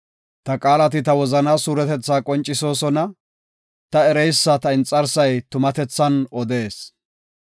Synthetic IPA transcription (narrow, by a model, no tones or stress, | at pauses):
t̪ɐkʼaːlɐt̪ɪt̪ɐwɔzɐnaːsuːɾɛt̪ɛt͡sːaːkʼɔnt͡ʃʼːɪso̞ːsɔnɐ | t̪ɐɛɾɛjsːɐt̪ɐɪnt͡sʼːɐɾsɐjt̪ʊmɐt̪ɛt͡sːɐnɔd̪e̞ːs